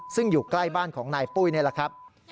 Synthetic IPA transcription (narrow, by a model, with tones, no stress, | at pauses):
sɯ˥˩ŋjuː˨˩kla˥˩jbaː˥˩nkʰɔː˩˦ŋnaː˧jpuː˥˩jnɯ˥˩la˨˩kʰɾa˦˥p̚